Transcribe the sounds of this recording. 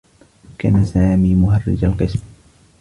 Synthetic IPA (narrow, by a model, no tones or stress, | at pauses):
kaːnasaːmiːmʊɦarˤːɪ̰d͡ʒalqɨsm